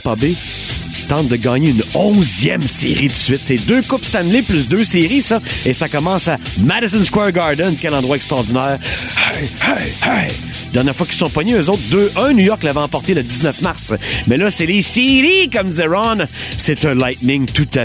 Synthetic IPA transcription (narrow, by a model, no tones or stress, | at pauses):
pɑbe | t̪ɑ̃t̪̚d̪əɡɑːɲeynɔ̃zjɛmsḛʁid̪əsɥɪt̪sɛd̪økʊpst̪anleplʏs̬d̪øːseʁisʌesakɔmɑ̃ːsamad̪əzə̃nskwɛʁɡɑʁd̪ənkʲɛlɑ̃d̪ʁwaɛkst̪ʁɑʁd̪inɛːʁhahaha | d̪ɛʁnjɛːʁfwaki̥sɔ̃pɔɲeøzot̪̚d̪øːʔə̃nujɔʁklavɛɑ̃pɔʁt̪eləd̪iznœfmaʁsmɛlʌsɛlesiʁikɔmzeʁɔnset̪ɛ̃lajt̪̚nɪ̃ŋt̪ut̪a